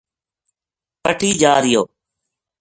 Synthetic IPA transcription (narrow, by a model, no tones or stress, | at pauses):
pəʈʰiːd͡ʒaːɾɪjoː